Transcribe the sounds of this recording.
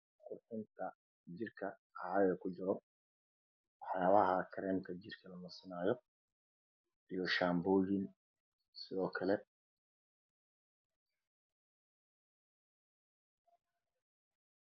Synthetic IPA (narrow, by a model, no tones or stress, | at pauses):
qʊrħʊnt̪ʰɐ | d͡ʒɪrkʰɐ | ʕɣɐkʰʊt͡ʃɪɾɔ | wɑħjaːβɐɦɐkʰɐɾɛːnk̪ʰɐd͡ʒɪrkʰɐlɐnʊsɪnaːjɔ | ʔijɔʃaːmbɔːjɪn | sɪðɔːkʰɐlɛ